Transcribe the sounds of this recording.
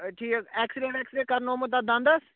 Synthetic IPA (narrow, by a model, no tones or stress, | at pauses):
ʈʰiːkɛːksɪɖẽɳʈɛːksɪɖẽɳʈ̚kəɾnoːmət̪ad̪ãːnd̪aːs